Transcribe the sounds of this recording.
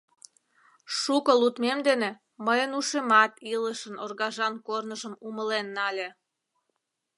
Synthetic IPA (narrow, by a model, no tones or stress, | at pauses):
ʃukəlut̪memd̪ene | məjənuʃemɑt̪iləʃənorɣɑʒɑnkornəʒəmuməlenːɑlʲe